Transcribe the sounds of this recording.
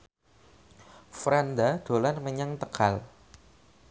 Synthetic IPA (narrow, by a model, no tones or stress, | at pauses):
fɾand̪aɖ̪̥o̤lanməɲaŋt̪əkal